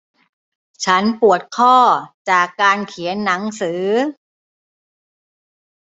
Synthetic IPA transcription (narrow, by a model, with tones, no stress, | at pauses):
t͡ɕʰa˦˥npu˨˩ət̪̚kʰɔː˥˩t͡ɕaː˨˩kːaː˧nkʰi˩˦ənːa˩˦ŋsɯː˩˦